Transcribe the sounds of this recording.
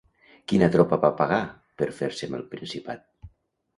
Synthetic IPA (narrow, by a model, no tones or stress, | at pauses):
kinat̪ɾɔpaβapaɣa | pəɾfeɾseməlˠpɾinsipat̪̚